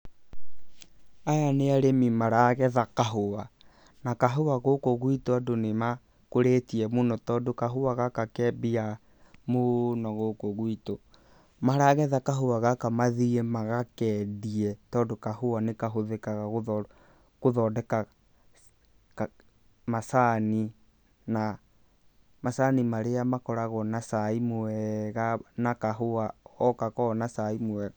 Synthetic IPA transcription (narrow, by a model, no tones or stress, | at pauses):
ajaneaɾemimaɾaɣɛðakaɦowa | nakaɦowaɣokoɣwitoadonema | koɾetiɛmonɔtɔːdokaɦowaɣakakɛːbia | monɔɣokoɣwito | maɾaɣɛðakaɦowaɣakamaðiemaɣakɛdiɛtɔːdokahoanekaɦoðekaɣaɣoðɔ | koðɔdɛka | k | masani | na | masanimaɾeamakɔɾaɣɔnasaimoɛɣanakaɦoaɔkakɔnasaimoɛɣa